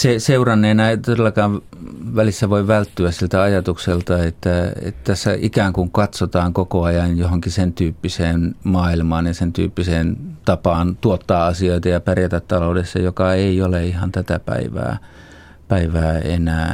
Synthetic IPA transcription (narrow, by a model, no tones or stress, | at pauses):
seseurɑnːeːnɑit̪odelːɑkɑːʋ | ʋælisːæʋoiʋælt̪ːyæssilt̪æɑjɑt̪ukselt̪ɑet̪ːæḛt̪t̪æsːæ̰ʔikæːŋkuŋkɑt̪sot̪ɑːŋkokoɑjɑnjohoŋkisent̪yːpːiseːnmɑːilmɑːnjɑsent̪y̰ːpːiseːnt̪ɑpɑːnt̪uot̪ːɑːɑsioit̪ɑjɑpærjæt̪æt̪t̪ɑloˑudesːɑ̰jokɑeioleihɑnt̪æt̪æpæ̰iʋæ̰ː | pæiʋæːḛnæː